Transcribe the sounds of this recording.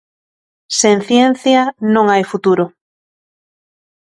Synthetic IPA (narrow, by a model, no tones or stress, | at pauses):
sen̟θjen̟θjɐnõŋajfut̪uɾʊ